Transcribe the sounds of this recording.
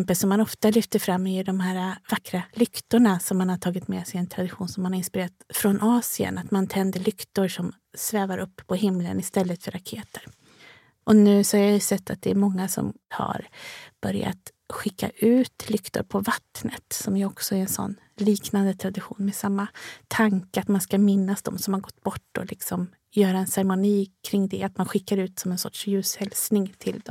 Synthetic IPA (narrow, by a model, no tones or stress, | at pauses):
mpəlsɔmːanɔft̪alʏft̪əɾfɾamːɪɪɖɔmhæːɾavakːɾalʏkt̪ʊɳasɔmːanhaʈʰɑːɡɪt̪meːsɛjɛnt̪ʰɾad̪ɪɧuːnsɔmːanhaɾɪnspɪɾeːɾat̪fɾɔnʔɑːsɪə̰nat̪mant̪ʰɛnd̪əɭʏkt̪ʊɾʂɔm | svɛːvaɾʔɵpːʰɔhɪmːlə̰nɪst̪ɛlːət̪fœɾakʰeːt̪ʰəɾ | ʔɔnʉ̟ːsɔhaɾjajɵsɛt̪ːat̪̚d̪ɛæɾmɔŋːasɔ̰mha̰ɾb̥œɾja̰t̪ | ɧɪkːa̰ʔʉ̟ːt̪lʏkt̪ʊ̰ɾpʰɔvat̪ːnət̪sɔmjɔksɔæɾɛnsɔ̰nː | liːknand̪ət̪ʰɾad̪ɪɧṵːnmɛsamːat̪ʰaŋkəat̪manskamɪnːasd̪ɔ̰msɔmhaɾɡɔt̪ːb̥ɔʈːɔ̰lɪksɔm | jœːɾaɛnsɛɾɛmʊniːkʰɾɪŋːd̪ɛat̪manɧɪkːaɾʉ̟ːt̪sɔmɛnsɔ̰ʈʂjʉ̟ːshɛlsnɪŋt̪ʰɪld̪ɔm